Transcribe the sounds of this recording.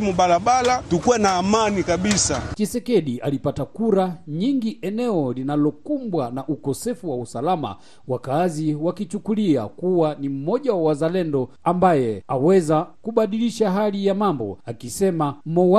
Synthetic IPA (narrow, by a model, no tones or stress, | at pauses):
muɓalaɓalatukuwɛnaːmanikaɓisakisɛkɛɗiʔa̰lipatakuɾaɲiŋɡiʔɛnɛɔlinalɔkumbwanaʔukɔsɛfuwausalama̰ | wakaziwakit͡ʃukulia̰kuwanim̩mɔʄawwazalɛndɔ | ambajɛawɛzakuɓaɗiliʃaɦalijamambɔ̰akisɛmamɔ